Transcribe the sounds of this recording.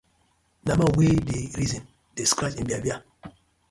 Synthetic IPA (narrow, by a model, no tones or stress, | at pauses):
nabawedeɾizĩn | d̥eskɾat͡ʃĩnbiabja